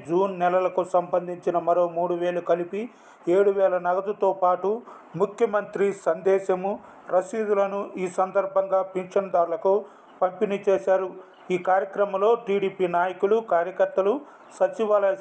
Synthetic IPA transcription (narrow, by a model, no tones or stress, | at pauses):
d͡ʒuːnːɛlɐlɐkusɐmbɐnd̪ʱiɲt͡ʃinɐmɐɾo̞ːmuːɽuʋeːɭukɐlipi | e̞ːɽuʋɛːlɐnɐɡɐd̪ut̪oːpaːʈu | mukʰjɐmɐnt̪ɾisɐnd̪ɛːʃɐmu | ɾɐsiːd̪ulɐnuʔiːsɐnd̪ɐɾbʱɐŋɡaːpinʂɐnd̪aːɾulɐku | pɐmpinit͡ʃeːʃaːɾu | iːkaːɾjɐkɾɐmɐlo̞ːʈiːɽiːpiːnaːjɐkulukaːɾjɐkɐɾt̪ːɐlu | sɐt͡ʃiʋaːlɐɐ